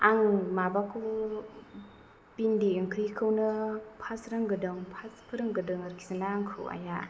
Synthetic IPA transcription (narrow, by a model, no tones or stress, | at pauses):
aŋmabakʰu | pindiɯŋkʰɾikʰɯwnɯpʰasɾɯŋɡɯdɯŋpʰaspʰɯɾɯŋɡɯdɯŋɯɾkʰi̥sanaŋkʰɯ̰wa̰ja